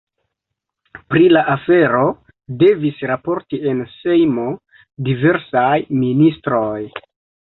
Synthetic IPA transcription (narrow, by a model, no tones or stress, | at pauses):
pɾilaʔafe̞ɾo̞ | de̞visɾapo̞ɾtie̞nse̞jmo̞ | dive̞ɾsajministɾoj